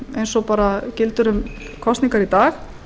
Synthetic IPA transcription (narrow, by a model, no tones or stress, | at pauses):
ejnsɔpaːɾacɪlt̪ʏɾʏm | kʰɔst̪niŋkaɾit̪aːx